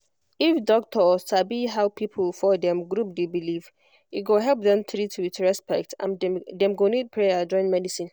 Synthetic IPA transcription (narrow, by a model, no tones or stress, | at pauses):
ifdɔk̚tʰɔstabiɦawpʰipʰlfɔdɛ̃mɡɾup̚debiliv | iɡoɦɛlp̚dɛ̃mtʰɾitʰwitɹɛspɛk̚tʰã̰ndɛ̃mɡonit̚pʰɹɛjad͡ʒɔ̃ɪ̃nmɛdisĩn